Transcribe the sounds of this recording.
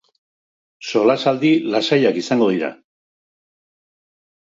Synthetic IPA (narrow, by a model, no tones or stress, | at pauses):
so̞lasald̪ilasajakisaŋɡo̞ð̞iɾa̰